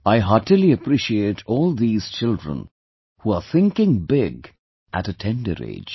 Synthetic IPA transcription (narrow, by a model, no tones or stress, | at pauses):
aɪɦɑʈiliəpɾiʃieɪʈʰɔːlˠd̪iːz̥t͡ʃɪldɹə̰̃n | huaθɪ̃ŋkɪ̃ŋbɪɡ | ʔæ̰tətʰɛ̃ndə̰ɾḛːd͡ʒ̥